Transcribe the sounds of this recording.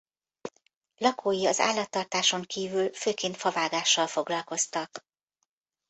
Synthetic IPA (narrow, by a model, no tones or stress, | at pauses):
lɒkʰoːjiɒza̰ːlːɒt̪ːɒrt̪aːʃo̞ŋkiːvylføːkeːnt̪fɒvaːɡaːʃːɒlfo̞ɡlɒlko̞st̪ɒk